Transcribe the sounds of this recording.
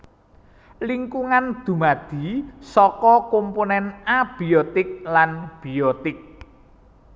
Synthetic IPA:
liŋkuŋand̪̥ṳmad̪̥i̤sɔkɔkomponɛnab̥iɔt̪ɪk̚lanb̥iɔt̪ɪk̚

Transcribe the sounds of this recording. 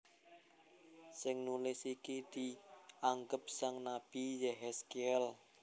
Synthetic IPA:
sɪŋnulɪsikid̪̥iaŋɡəp̚saŋnab̥ijɛɦɛskeɛl

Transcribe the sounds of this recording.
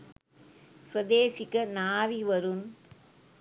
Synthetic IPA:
sʋɐd̪eːsɪkːɐnaːʋiʋɐɾɯn

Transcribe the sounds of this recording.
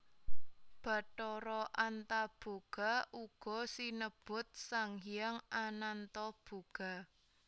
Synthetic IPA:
b̥a̤ʈɔɾɔʔant̪ab̥o̤ɡ̥a̤uɡ̥ɔ̤sinəb̥ʊt̪̚saŋhijaŋʔanant̪ɔb̥o̤ɡ̥a̤

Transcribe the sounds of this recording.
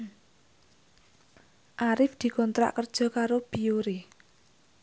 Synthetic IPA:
ʔaɾɪfd̪̥i̤kɔnt̪ɾa̰ʔkərd̥ʒ̥ɔ̤kaɾob̥iuɾi

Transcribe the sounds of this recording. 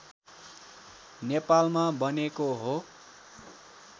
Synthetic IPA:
nepalmabʌnekoɦo

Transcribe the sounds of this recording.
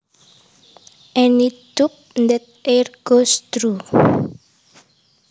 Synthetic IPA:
ʔɛnit̪up̚nd̪ɛt̪̚erɡ̥ost̪ɾu

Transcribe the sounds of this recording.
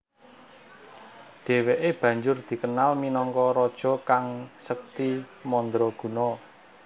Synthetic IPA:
ɖ̥e̤weʔeb̥ä̤ɲd͡ʒʊrd̪̥i̤kənalminɔŋkɔɾɔd̥ʒ̥ɔ̤kaŋsək̚t̪imɔnd̪ɾɔɡ̥ṳnɔ

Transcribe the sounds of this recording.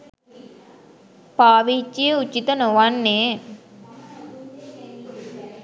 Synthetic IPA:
paːʋit͡ʃːijəut͡ʃːit̪ənoʋanːeː

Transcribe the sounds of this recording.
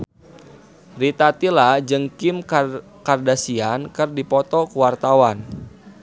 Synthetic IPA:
rit̪at̪ilad͡ʒɨŋkim | kardasiankərdipɔt̪ɔkuwart̪awan

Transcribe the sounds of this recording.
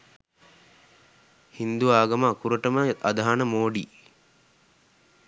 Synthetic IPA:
hind̪uaːɡɐmaːkuɾəʈəməɐd̪aɦanəmoːɖiː

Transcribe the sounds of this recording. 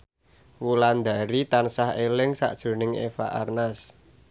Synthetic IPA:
wuland̪a̤ɾit̪ansahelɪŋsa̰ʔd̥ʒ̥o̤nɪŋḛfa̰ʔarnas

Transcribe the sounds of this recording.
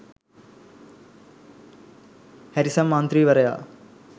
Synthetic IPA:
hɐɾisɐmːaːnt̪ɾiːʋɐɾɐja̰ː

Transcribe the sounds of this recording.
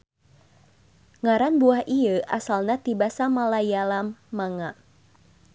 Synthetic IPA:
ŋaɾanbuahiəʔa̰salnat̪ibasamalajalamːaŋa

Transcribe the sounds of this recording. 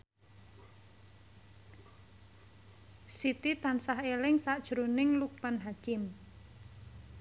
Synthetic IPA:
sit̪it̪ansaɦelɪŋsaʔd̥ʒ̥ɾonɪŋluk̚panɦakɪm

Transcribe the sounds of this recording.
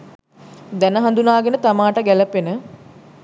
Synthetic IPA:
d̪ænəɦãnd̪unaːɡenət̪amaːʈəɡæləpenə

